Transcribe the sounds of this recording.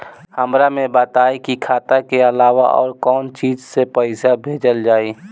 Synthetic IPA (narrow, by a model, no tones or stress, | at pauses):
həmɾamẽbət̪aːikikʰaːt̪akeəlaːʋa̰ʔɔ̰ːɾkɔːnt͡ʃiːd͡ʒsepəɪsabʱeːd͡ʒəld͡ʒaːiː